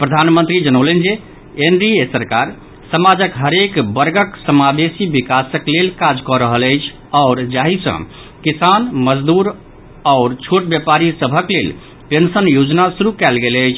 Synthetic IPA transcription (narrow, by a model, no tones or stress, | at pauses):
pɾəd̪ʱanmənt̪ɾid͡ʒənəʊlənd͡ʒe | enɾiesəɾkaɾ | səmad͡ʒəkɦəɾekbəɾɡəksəmad̪esibikasəklelkad͡ʒkɔɾəɦələjt͡ʃʰ | ɔʊɾd͡ʒaɦisə̰̃ | kisanməd͡ʒd̪uɾ | ɔʊɾt͡ʃʰoʈ̚bjepaɾisəbʱəklel | pensənjod͡ʒnasuɾukɛlɡelət͡ʃʰ